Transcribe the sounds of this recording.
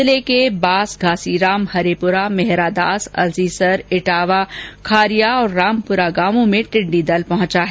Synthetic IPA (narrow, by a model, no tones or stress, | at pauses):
lekebaːsɡʱaːsiɾaːmhɐɾepʊɾamɛɦɾad̪aːsɐ̰lziːsɐɾɪʈaːʋakʰaːɾijaɔːɾːaːmpʊɾaɡaːmõmẽʈɪ̃ɳɖid̪ɐlpɐɦʊ̃t͡ʃaɦɛː